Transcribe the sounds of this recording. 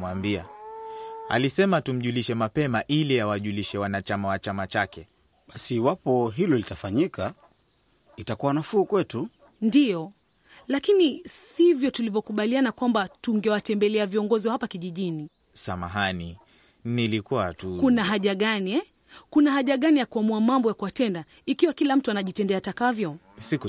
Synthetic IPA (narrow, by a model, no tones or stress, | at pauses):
wambia̰ | a̰lisɛmatum̩ʄuliʃɛmapɛmaʔiliawaʄuliʃɛwanat͡ʃamawat͡ʃamat͡ʃakɛ | ɓasiwapɔɦilɔlitafaɲika | itakuwanafuːkwɛtu | ndijɔ | lakinisivjɔtulivjɔkuɓalianakwambatuŋɡɛwatɛmbɛlɛaviɔŋɡɔziahapakiʄiʄini | samaɦani | nilikua̰tukunaɦaʄaɠaniɛ | kunahaʄaɠanijakuamuamambɔjakuwatɛnda | ikiwakilam̩tuanaʄitɛndɛatakavjɔ | siku